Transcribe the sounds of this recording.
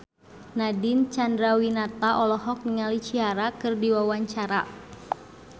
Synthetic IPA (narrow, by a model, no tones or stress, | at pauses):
nadɪnt͡ʃandɾawinat̪aʔɔlɔhɔk̚niŋalit͡ʃiaɾakɨrdiwawaɲt͡ʃaɾa̰